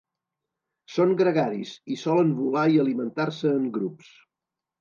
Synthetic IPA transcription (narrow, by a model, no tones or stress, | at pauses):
soŋɡɾəɣaɾḭsisɔləmβulaiəlimənt̪arsəːŋɡɾups